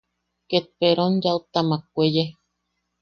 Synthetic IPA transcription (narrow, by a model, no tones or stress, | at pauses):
ket̪̚peɾond͡ʒaut̪amãk̚ʷeje